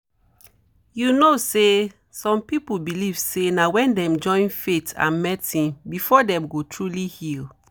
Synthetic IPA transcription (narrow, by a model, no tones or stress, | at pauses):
junose | sɔ̃mpipulbilivsenawɛ̃ndɛ̃md͡ʒɔ̃ɪ̃nfetã̰nmɛtĩnbifɔdɛ̃mɡotʰɹulihil